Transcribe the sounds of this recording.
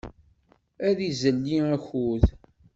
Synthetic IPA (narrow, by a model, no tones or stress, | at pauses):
æðizəlːiæçuð